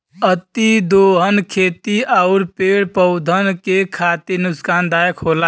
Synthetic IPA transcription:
ət̪id̪oɦənkʰet̪iaʊɾpeɽpəʊd̪ʱənkekʰat̪iɾnuskand̪ajəkʰɦola

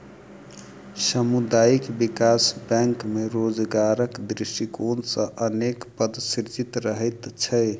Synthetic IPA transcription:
səmud̪ajikbikasbɛ̃ŋkmeɾod͡ʒɡaɾəkd̪ɾiʃʈikonsə̃ʔənekpəd̪siɾd͡ʒit̪ɾəɦɛt̪t͡ʃʰəj

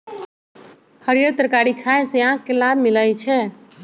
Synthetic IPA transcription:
hʰəɾijəɾt̪əɾkaːɾikʰaːẽseãkːelabmɪlajt͡ʃʰɛː

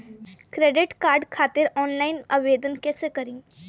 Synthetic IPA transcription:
kɾeːɖɪʈkaːɾɖkʰaːt̪ɪɾɔːnlaːɪnaːʋeːd̪ənkɛsekɐɾĩː

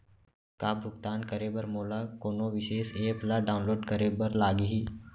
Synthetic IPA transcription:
kaːbʱʊɡt̪aːnkəɾebəɾmoːlakoːnoʋɪʃeːseːplaɖaːʊnloːɖkəɾebəɾlaːɡiɦiː

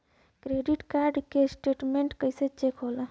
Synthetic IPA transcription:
kɾeɖiʈkaɾɖkesʈeʈmeɳʈkəɪset͡ʃekɦola

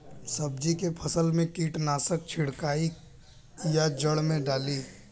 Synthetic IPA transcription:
səb̚d͡ʒikepʰəsəlmẽkiːʈnaːsək̚t͡ʃʰɪɽkaːi | jad͡ʒəɽmẽɖaːli

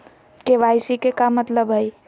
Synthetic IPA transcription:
keʋajsikekamət̪ləbɦəj

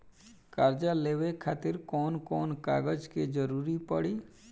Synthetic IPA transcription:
kaːɾd͡ʒaleːwekʰaːt̪ɪɾkɔːnkɔːnka̰ːɡəd͡ʒked͡ʒəɾuːɾipəɽiː

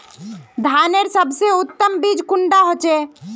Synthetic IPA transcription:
d̪ʱaneɾsəbʱseut̪ːəmbid͡ʒkuɳɖaɦot͡ʃe

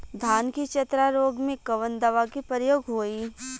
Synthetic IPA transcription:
d̪ʱaːnkit͡ʃɐt̪ɾaɾoːɡmẽkɐʋənd̪əʋakipəɾjoːɡɦoːiː

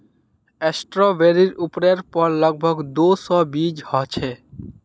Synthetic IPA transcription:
esʈɾobeɾiɾupɾeɾpɔɾlɔɡ̚bʱɔɡd̪osɔbid͡ʑhɔt͡ɕʰe

